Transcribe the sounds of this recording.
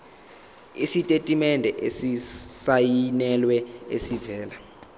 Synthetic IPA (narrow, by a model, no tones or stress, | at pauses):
isitʼetʼimɛndʱɛʔesisajinɛlwɛesivɛːla